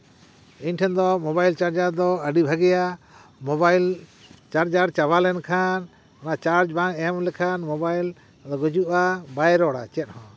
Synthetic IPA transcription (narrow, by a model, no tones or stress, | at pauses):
iɲʈʰɛnd̪ɔmɔbajlt͡ʃaɾd͡ʒaɾd̪ɔəɖibʱaɡɛja | mɔbajlt͡ʃaɾd͡ʒaɾt͡ʃaβalɛnkʰan | nat͡ʃaɾd͡ʒbaŋɛmlɛkʰanmɔbajl | d̪ɔɡɔd͡ʒuʔabajɾɔɽa̰t͡ʃɛt̪̚hɔ̃